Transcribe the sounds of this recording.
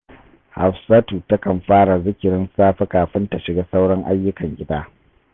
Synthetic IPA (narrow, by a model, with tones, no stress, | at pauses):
ha˨ɸsa˦tuː˨ta˦kɐ˨mɸaː˦ɽa˨zɪ˦kʲɪ˨ɾɪ˦nsaː˦ɸe˦kaː˨ɸɪ˦nta˨ʃɪ˨ɡaː˦sa˦wɽɐ˦ŋʔa˦jːʊ˦kɐ˨ŋkʲʼɪ˦taː˦